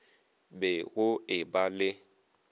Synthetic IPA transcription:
beɣʊebale

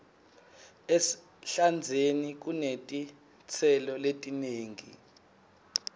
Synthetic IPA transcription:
es | ɬand͡zʱenik̬unetʼi | t͡sʰɛlɔletʼineːŋʱḭ

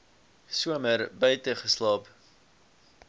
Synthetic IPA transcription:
suəməɾbœɥtəχəslɑːp

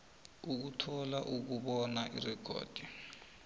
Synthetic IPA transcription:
uk̬utʰɔlaʔuk̬uɓɔnaʔirɛkʰɔ̰ːd̥ʱi

